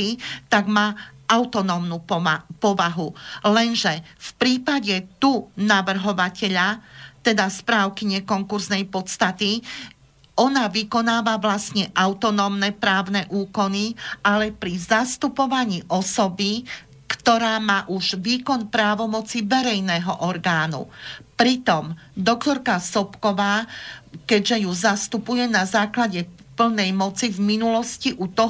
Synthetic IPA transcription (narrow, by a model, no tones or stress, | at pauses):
it̪aɡmaːaʊt̪ɔnɔmnuːpɔʋaɦulɛnʒɛfpɾiːpaɟɛt̪unaʋr̩ɦɔʋacɛʎat̪ɛd̪aspɾaːʊkiɲɛkɔŋkuɾznɛjpɔt̪st̪at̪i | ʔɔnaʋikɔnaːʋaʋlasɲɛʔaʊt̪ɔnɔːmnɛpɾaːʊnɛʔuːkɔnialɛpɾizast̪upɔʋaɲiːʔɔsɔbi | kt̪ɔɾaːmaːʔuʒʋiːkɔnpɾaːʋɔmɔt͡siʋɛɾɛjnɛːɦɔʔɔɾɡaːnṵpɾit̪ɔmd̪ɔkt̪ɔɾkasɔpkɔʋaːkɛɟʒɛjuzast̪upujɛnazaːklaɟɛ | pl̩nɛjmɔt͡sivminulɔsciʔut̪ɔ